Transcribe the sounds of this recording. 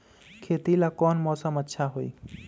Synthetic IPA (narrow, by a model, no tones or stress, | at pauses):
kʰet̪ilakɔnmɔsəmətːʃʰaɦoi